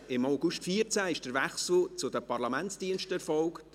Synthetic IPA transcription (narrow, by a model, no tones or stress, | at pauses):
ɪmaʊɡʊʃtfiəɾt͡sæːɪʃd̥əɾvɛχsl̩ˠt͡sʊdəpɑɾlɑmɛnt͡sd̥iənʃtəɛɾfɔlkt